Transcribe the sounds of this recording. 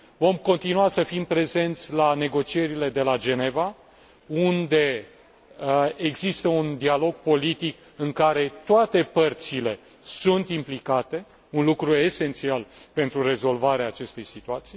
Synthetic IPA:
vo̞mko̞nt̪inuasəfimpɾe̞ze̞nt̪sʲlane̞ɡo̞t͡ʃie̞ɾile̞d̪e̞lad͡ʒe̞ne̞va | und̪e̞ | eɡzist̪əund̪ialo̞ɡ̚po̞lit̪ik | ɨŋkaɾe̞t̪oat̪e̞pərt̪sile̞ | sunt̪implikat̪e̞ | unlukɾue̞se̞nt̪sialpe̞nt̪ɾure̞zo̞lvaɾeaːt͡ʃe̞st̪e̞jsit̪uat̪sij

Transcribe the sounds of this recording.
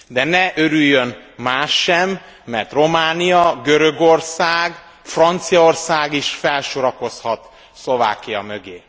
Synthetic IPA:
d̪ɛnɛʔøɾyjːøn | maːʃːɛmː | ɛrt̪ro̞maːnijɒɡøɾø̞ɡorsaːɡ | frɒnt̪sijɒorsaːɡiʃfɛlʃoɾɒko̞shɒt̪ | slo̞va̰ːkːijɒmø̞ɡeː

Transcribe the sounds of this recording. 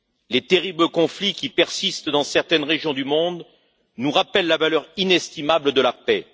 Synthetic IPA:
let̪eʁibləkɔ̃flikʲipɛʁsist̪d̪ɑ̃sɛʁt̪ɛnʁeʒjɔ̃d̪ymɔ̃d̪ | nuʁapɛlːavalœʁinɛst̪imabləd̪əlapɛ

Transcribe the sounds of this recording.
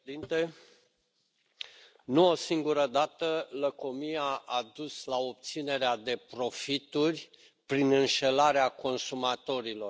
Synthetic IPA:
d̪int̪e̞ | nuo̞siŋɡuɾəd̪at̪ələko̞mijaʔad̪uslao̞p̚t̪sine̞ɾead̪e̞pɾo̞fit̪urʲ | pɾinɨnʃe̞laɾeako̞nsumat̪o̞ɾilo̞

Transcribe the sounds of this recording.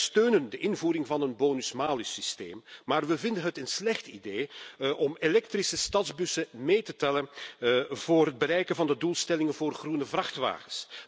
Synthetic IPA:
støːnəndəʔɪnvuːɾɪŋvɑnənboːnysmaːlisistḛːmːaːrʋəvɪndənɦətənslɛxtideːʔɔmelɛk̚trisəstɑdzbʏsəmeːjtətɛlən | v̥oːrɦəd̚bəɾɛjkənvɑndəduːlˠstɛlɪŋənvoːrχrunəvrɑxtʋa̰ːɣəs

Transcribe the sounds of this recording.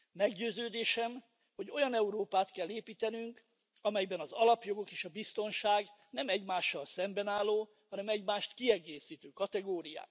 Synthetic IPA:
mɛɡɟøːzøːd̪eːʃɛm | ho̞ɟo̞jɒnɛuɾoːpaːt̪kɛlːeːpiːt̪ɛnyŋk | ɒmɛjbɛnɒzɒlɒpjo̞ɡo̞keːʃɒbist̪o̞nʃaːɡnɛmɛɟmaːʃːɒlsɛmbɛnaːlːoː | hɒnɛmɛɟmaːʃt̪kiɛɡeːsiːt̪øːkɒt̪ɛɡoːɾija̰ːk

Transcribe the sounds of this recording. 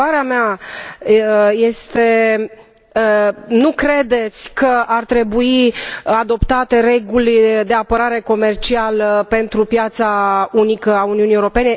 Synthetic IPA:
aɾeamea | je̞st̪e̞ | nukɾe̞d̪e̞t̪sʲkəʔart̪ɾe̞buiad̪o̞pt̪at̪e̞ɾe̞ɡulʲd̪e̞apəɾaɾe̞ko̞me̞rt͡ʃialəpe̞nt̪ɾupjat̪saunikəauniunijewɾope̞ne

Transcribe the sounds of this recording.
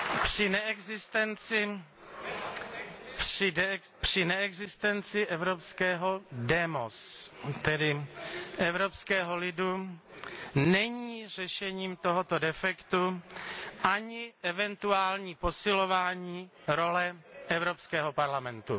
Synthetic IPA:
pr̥ɪnɛʔɛɡzɪst̪ɛnt͡sɪ | pr̝̥ɪnɛɛɡzɪst̪ɛnt͡sɪʔɛvɾopskɛːɦo̞dɛmost̪ɛdɪʔɛvɾopskɛːɦo̞lɪdu | nɛɲiːr̝ɛʃɛɲiːmt̪o̞ɦot̪odɛfɛkt̪u | ʔaɲɪʔɛvɛnt̪uaːlɲiːpo̞sɪlo̞vaːɲiː | ɾo̞lɛʔɛvɾo̞pskɛːɦopaɾlamɛnt̪ṵ

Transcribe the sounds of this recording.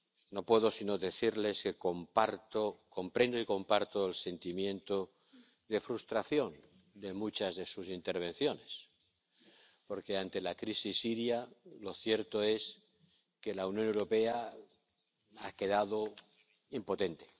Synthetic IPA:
no̞pweðo̞sino̞ðe̞θiɾle̞ske̞kompaɾt̪oko̞mpɾe̞nd̪oiko̞mpaɾt̪o̞else̞nt̪imjẽ̞nt̪o | ðe̞fɾust̪ɾaθjo̞n | d̪e̞mut͡ʃazðe̞susint̪e̞ɾβ̞ẽ̞n̟θjo̞ne̞s | po̞ɾke̞ant̪e̞lakɾisisːiɾjalo̞θje̞ɾt̪oe̞s | ke̞launjone̞wɾo̞pe̞a | ake̞ð̞aðo | impo̞t̪e̞nt̪e̞̥

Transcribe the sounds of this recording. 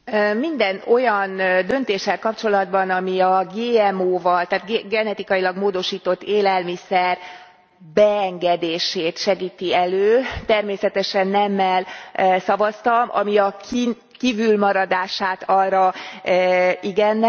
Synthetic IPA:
mind̪ɛno̞jɒnd̪ø̞nt̪eːʃːɛlkɒpt͡ʃo̞lɒd̪bɒnɒmiɒɡeːɛmoːvɒlt̪aːt̪ɡɡɛnɛt̪ikɒjilɒɡmoːd̪o̞ʃiːt̪o̞t̪ːeːlɛlmisɛr | bɛɛŋɡɛd̪eːʃeːt̪ʃɛɡiːt̪iɛløːt̪ɛrmeːsɛt̪ɛʃɛnːɛmːɛlːsɒvɒst̪ɒmʔɒ̰miɒki | kivylmɒɾɒd̪aːʃaːt̪ɒrrɒ | iɡɛnː

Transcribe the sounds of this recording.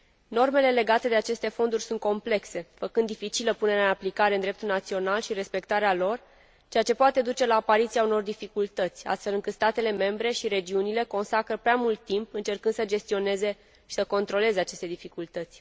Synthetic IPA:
no̞rme̞le̞le̞ɡat̪e̞d̪e̞at͡ʃe̞st̪e̞fo̞nd̪urʲsunt̪̚ko̞mple̞kse̞fəkɨnd̪ːifit͡ʃiləpune̞ɾeaɨnaplikaɾend̪ɾe̞pt̪ulnat̪sio̞nalʃiɾe̞spe̞k̚t̪aɾealo̞r | t͡ʃe̞jat͡ʃe̞poat̪e̞d̪ut͡ʃe̞laːpaɾit̪siauno̞rd̪ifikult̪ət̪sʲa̰st̪felɨŋkɨt̪st̪at̪e̞le̞me̞mbɾe̞ʃiɾe̞d͡ʒiunile̞ko̞nsakɾəpɾeamult̪ːimpɨnt͡ʃe̞rkɨnd̪səd͡ʒe̞st̪io̞ne̞ze̞ | ʃi̥səko̞nt̪ɾo̞le̞ze̞at͡ʃe̞st̪ed̪ifikult̪ət̪sʲ

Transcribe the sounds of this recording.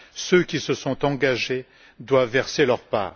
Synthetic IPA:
søkʲisəsɔ̃t̪ɑ̃ɡaʒe | d̪wavːɛʁselœʁpa̰ːʁ

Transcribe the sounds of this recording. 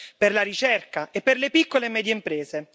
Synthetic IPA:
perlaɾit͡ʃɛrkaʔepːerlepikːolemɛːd̪jeimpɾeːze

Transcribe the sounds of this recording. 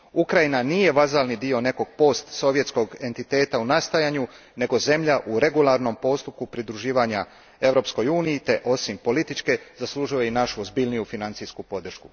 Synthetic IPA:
ukɾajinaniːje̞ʋazalnid̪io̞ne̞ko̞ɡ̥̚po̞st̪so̞ʋjesko̞ɡe̞nt̪it̪e̞ːt̪aunast̪ajaɲu | ne̞ɡo̞ze̞mʎaʔuɾe̞ɡulˠaɾno̞mpo̞st̪up̚kupɾid̪ɾuʒiːʋaɲa | e̞ʋɾo̞psko̞juːnijit̪e̞ʔo̞simpo̞lit̪it͡ʃke̞zaslˠuʒujeinaʃuozbiʎnijufinant̪siskupo̞d̪r̩ʃkṵ

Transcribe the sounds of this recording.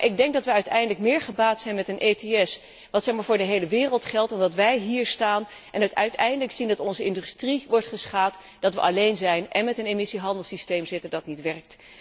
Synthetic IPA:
ʔɪɡ̚dɛŋk̚dɑtʋəœɥtɛjndələkmɪːɹχəbaːtsɛjnmɛtənʔejteɛs | ʋɑtsɛχmaːɹvʊːɹdəɦejləʋɪːrəlˠtχɛlˠtɔndɑtʋɛjɦiːɹstaːn | ʔɛnœtœɥtɛjndələksindɑtɔnzəɪndystriʋɔɹtχəsχaːt | d̥ɑtʋə̰ʔɑlejnzɛjnʔɛnmɛtənemɪsiɦɑndəlˠsistejmzɪtəndɑtnitʋɛrk̚t

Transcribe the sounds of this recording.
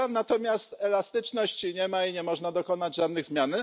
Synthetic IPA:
nat̪ɔmʲjast̪ɛlast̪ɘt͡ʂnɔɕt͡ɕɲɛmaiɲɛmɔʐnad̪ɔkɔnad͡ʑʐad̪nɘɣzmʲjan

